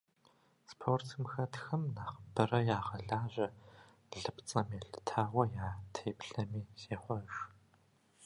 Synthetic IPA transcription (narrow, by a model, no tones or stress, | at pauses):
spʰoːrtʰmxɐtxɐmnaːχbɨrɐjaːʁɐɮaːʑɐ | ɮɨpt͡sʼɐmeɬɨ̥tʰaːwʷɐjaːtʰeːpɬɐmiːzeːχʷɔʒ